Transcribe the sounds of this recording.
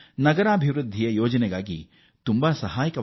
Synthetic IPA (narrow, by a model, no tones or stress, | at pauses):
nɐɡɐɾaːbʱiʋɾud̪ʱːijɐjoːd͡ʒɐnɛɡaːɡi | t̪umbɐsɐɦaːjɐkɐ